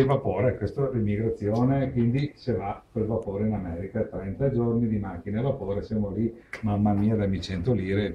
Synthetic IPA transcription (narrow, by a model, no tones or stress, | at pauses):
evapoːɾekwest̪oɛlimːiɡɾat̪sːjoːnekwind̪isevapelvapoːɾeinamɛːɾikat̪ɾɛnt̪ad͡ʒornid̪imak̟ːinevapoːɾesjamolimamːamiːad̪amːit͡ʃɛnt̪oliːɾe